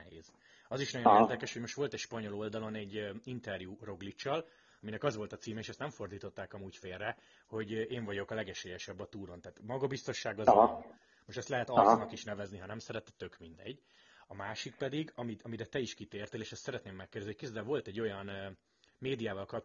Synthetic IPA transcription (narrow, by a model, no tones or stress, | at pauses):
ɛheːz̥ | ɒziʃnɒjoneːrd̪ɛkɛʃhomo̞ʃt̪ʋo̞lt̪ɛcʃpɒɲo̞lo̞ld̪ɒlo̞nɛɟːint̪ɛrjuːro̞ɡlit͡ʃːɒl | ɒminɛkɒzvo̞lt̪ɒt̪siːmɛeːʃɛst̪nɛɱfo̞rd̪iːt̪o̞t̪ːaːkɒmuːcfeːrrɛ | ho̞ɟeːɱvɒɟo̞kɒlɛɡɛʃeːjɛʃɛbːɒt̪uːɾo̞nt̪aːt̪mɒɡɒbist̪o̞ʃːaːɡɒz | moʃt̪ɛst̪lɛɦɛt̪ɒsnɒkiʃnɛvɛzniɦɒnɛmsɛɾɛt̪ɛt̪ːø̞kmind̪ɛ̰ɟː | ɒmaːʃik̚pɛd̪iɡɒmiɒmiɾɛt̪ɛiʃkit̪eːrt̪eːleːʃɛst̪sɛɾɛt̪neːmːɛkːeːrd̪ɛzniho̥køzd̪ɛvo̞lt̪ɛɟːo̞jɒn | meːd̪ijaːvɒlkɒp̚